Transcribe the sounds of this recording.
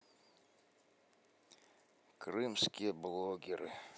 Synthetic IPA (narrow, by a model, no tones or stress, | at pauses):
krɨmskʲɪjəblˠoɡʲɪɾɨ̰